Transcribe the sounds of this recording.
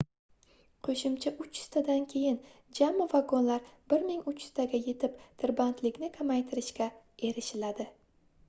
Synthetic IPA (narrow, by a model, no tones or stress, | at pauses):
qʰɵʃɪmt͡ʃʰaʔʊt͡ʃɪ̥st̪ʰad̪ankʲʰe̞jɪn | d͡ʒamːɪvaɡɒnlaɾbɪɾmɪŋʊt͡ʃɪ̥st̪ʰaɡʲaje̞t̪ʰɪpt̪ʰɪɾbant̪ʰlɪkʲnɪkʰamajt̪ʰɪɾɪʃkʲa | e̞ɾɪʃɪlad̪ɪ